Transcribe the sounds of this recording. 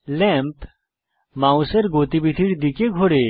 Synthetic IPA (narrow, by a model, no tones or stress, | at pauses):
lɛmp | mãũseɾɡot̪ibit̪ʰiɽd̪ikeɡʱoɽe